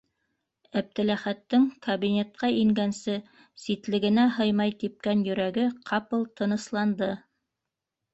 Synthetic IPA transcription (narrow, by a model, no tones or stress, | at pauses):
æp̚t̪ɘ̆læχæt̪ːɘŋkɐβinʲe̞t̪̚qɑiŋɡænsɘ | sit̪lɘ̆ɡɘ̆næɦɤjmɑjt̪ip̚kænjɵ̆ɾæɡɘqʰɑpɤlˠt̪ɤ̆nɤ̆slˠɑnd̪ɤ